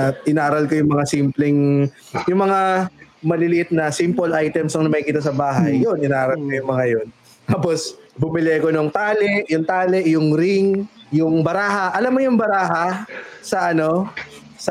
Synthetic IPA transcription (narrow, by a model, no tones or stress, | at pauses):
ɐt̪̚ʔɪnaːɾɐlkojʊŋmɐŋasimplɛŋ | jʊŋmɐŋamɐlɪlɪʔɪt̪̚nɐsimpolʔajt̪ɛmsɐŋnɐmɐkɪt̪ɐsɐbaːɦɐjːonɪnaːɾɐlkɐjʊŋmɐŋajon | t̪aːposbʊmɪlɛkonoŋt̪aːlɛʔjʊŋt̪aːlɛʔjʊŋɾɪŋjʊŋbɐɾaːhɐʔɐlamːojʊŋbɐɾaːɦɐsɐʔɐno̞ | sɐ